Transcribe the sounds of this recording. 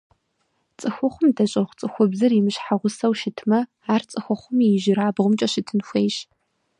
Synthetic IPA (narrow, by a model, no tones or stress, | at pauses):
t͡sʼɨxʷʊχʷʊmdɐɕʼɐχʷt͡sʼɨxʷʊbzɨrimɨɕħaʁʷʊsɐwʃɪtʰmɐ | aːrt͡sʼɨxʷʊχʷʊmɪʒɪɾaːbʁʷʊmt͡ʃʼɐʃɪtʰɨnxʷeːjɕ